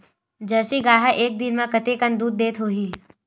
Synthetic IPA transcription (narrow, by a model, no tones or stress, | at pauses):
d͡ʒɐsiɡaːɦɛʔeːk̚d̪ɪnmãkɐt̪ekə̃nd̪uːd̪ːeːt̪ɦoːɦiː